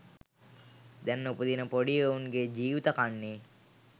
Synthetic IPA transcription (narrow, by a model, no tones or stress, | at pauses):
d̪ɛnːupud̪inəpoɖiəunɡed͡ʒiːʋit̪akanːe